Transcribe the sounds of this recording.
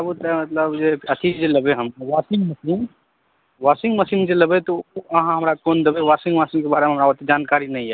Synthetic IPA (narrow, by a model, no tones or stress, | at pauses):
əbut̪əmət̪ləbd͡ʒeət̪ʰid͡ʒeləbeɦəmkawasĩŋɡməsiːn | ʋasĩŋɡməsiːnd͡ʒeləbet̪oəɦãɦəmɾakond̪ebewasĩŋɡʋasĩŋkebaɾemẽabət̪ed͡ʒankaɾinəĩɛ